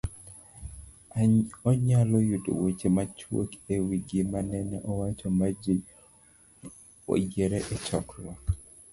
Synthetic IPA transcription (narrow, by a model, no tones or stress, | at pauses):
ɔɲalɔjud̰wet͡ʃemat͡ʃwo̰kewiɡimanɛnɛ̰ʔɔwat͡ʃɔma | ɔ̰d͡ʒeɾɛʔɛt͡ʃɔklwa